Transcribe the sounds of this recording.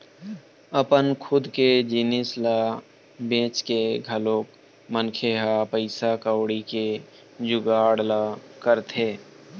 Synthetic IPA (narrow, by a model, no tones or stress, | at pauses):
əpənkʰʊd̪ked͡ʒinɪslaː | bẽːt͡ʃkeɡʱəloːk | mənkʰeɦapəɪsakəwɽike | d͡ʒʊɡaːɽlakəɾt̪ʰeː